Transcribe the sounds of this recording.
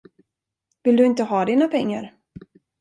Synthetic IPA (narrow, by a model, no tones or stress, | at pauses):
vɪld̪ɵɪnt̪əɦɑːd̪iːnapʰɛŋːa̰ɾ